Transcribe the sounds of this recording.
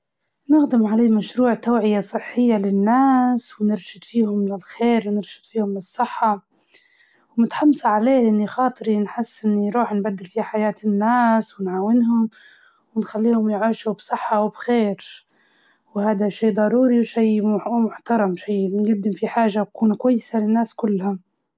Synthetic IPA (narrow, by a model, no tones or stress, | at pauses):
nɪxd̪ɪmʕaleːmaʃɾuːʕt̪awʕɪjasˤɨħːɪjːalɪnːaːswnɪɾʃɪd̪fiːhʊmlɪlxeːɾwnɪɾʃɪ̥d̪̥fiːhʊmlɨsˤːɨħːɑ | wmɪt̪ħamːsaʕaleːʔɪnːixɑːt̪ˤɾinħɪsːʔɪnːiɾˤuːħnbad̪ːɪlfiːhħajaːt̪ɪnːaːswɪnʕaːwɪnɦʊm | wɪnxalːiːhʊmjʕiːʃubsˤɨħːɑwbxeːɾ | whaːd̪aʃiːd̪ˤɑɾuːɾiwʃijmʊħt̪ɑɾˤɑmʃijːnɡad̪ːɪmfiħaːʒakuːnkwajːɪsalɪnːaːskʊlːha